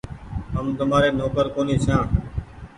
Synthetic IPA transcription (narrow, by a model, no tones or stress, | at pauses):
ɦəmd̪əmaːɾeːnoːkəɾkoːniːt͡ʃʰjãː